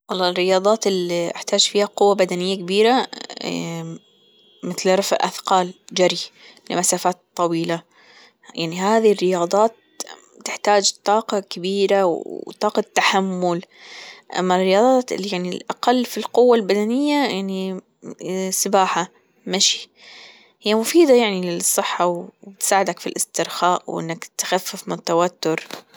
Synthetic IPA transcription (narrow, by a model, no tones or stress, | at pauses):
wɑlˤːɑːrːɪjɑːðˤɑːt̪ɪlːiʔɪ̰ħt̪aːd͡ʒfiːhaqʊwːabad̪anɪjːakabiːɾa | mɪθlɾˤɑfʔa̰θqɑːld͡ʒaɾi | lɪ̰masaːfaːt̪t̪ˤːɑwiːla | jaʕniɦaːðirːɪjɑːðˤɑːt̪ | t̪ːɪħt̪aːd͡ʒt̪ˤːɑːqɑkabiːɾawt̪ˤɑːqɑt̪ːaħamːʊlʔa̰mːarːɪjɑːd̪ˤɑːt̪ɪljaʕnilʔaqalːfilqʊwːalbad̪anɪjːajaʕni | sɪbaːħa | maʃi̥ | hɪjːamʊfiːd̪ajaʕnilɪsˤːɨħːawbt̪saːʕɪd̪akfilʔɪst̪ɪɾxaːʔwʔɪ̰nːakt̪xafːɪfmɪnɪt̪ːawat̪ːʊɾ